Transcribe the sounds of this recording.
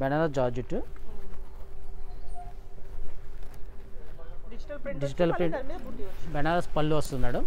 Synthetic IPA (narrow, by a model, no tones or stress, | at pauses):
bɛnaːɾɐsd͡ʒaːd͡ʒuʈːu | ɖid͡ʒiʈɐlpi | bɛnaːɾɐspɐlːuʋɐst̪unːaːɽu